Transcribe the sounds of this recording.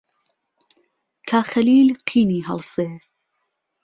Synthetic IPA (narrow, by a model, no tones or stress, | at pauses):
kʰaːxɐliːlqʰiːniːɦɐ̰lˠseː